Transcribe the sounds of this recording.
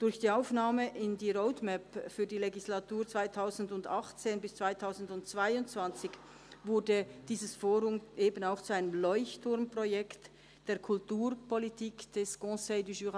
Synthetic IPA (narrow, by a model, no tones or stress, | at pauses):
d̥ʊɾçd̥iːaʊfnaːməʔɪndiːʁoʊdmɛpfyːɐdiːleɡislatuːʁt͡sv̥aɪtʰaʊzn̩dʊndɑχt͡seːnbɪst͡sv̥aɪtʰaʊzn̩dʊntt͡sv̥aɪʊntt͡sv̥ant͡sɪç | vʊɐdəd̥iːzəsfoːʁʊmʔeːbənaʊxt͡suaɪnəmlɔʏçtʊɾmpʁ̥ojɛkt | d̥eːɐkʰʊltuːʁpɔlitiːkd̥ɛsɡ̥ɔ̃seɪdyʒyʁ